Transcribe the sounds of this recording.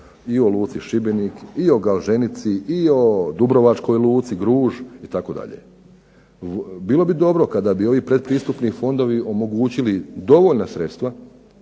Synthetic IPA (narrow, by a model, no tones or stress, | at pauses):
io̞lˠuːt̪siʃibenikio̞ɡalˠʒe̞nit̪siio̞d̪ubɾo̞ʋat͡ʃko̞jluːt̪siɡɾuːʒit̪ako̞d̪a̰ʎḛ | biːlo̞bid̪o̞bɾo̞kad̪abio̞ʋipɾed̪̚pɾiːst̪upnifo̞nd̪o̞ʋiʔo̞mo̞ɡuːt͡ɕilid̪o̞ʋo̞ʎnasɾe̞t̪st̪ʋa